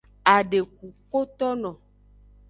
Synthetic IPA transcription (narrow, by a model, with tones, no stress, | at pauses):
a˨ɖe˨ku˨ko˦t̪ɔ˦nɔ̃˨